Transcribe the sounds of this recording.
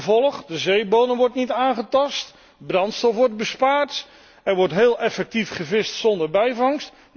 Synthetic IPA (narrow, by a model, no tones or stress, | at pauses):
vɔlˠəχdəzejbownəmʋɔɹtnitaːnχətɑst | brɑntstɔfʋɔɹd̚bəspaːɹt | ɛɹʋɔɹtɦeːlˠʔɛfɛk̚tifχəvɪstsɔndəɹbɛjvɑŋst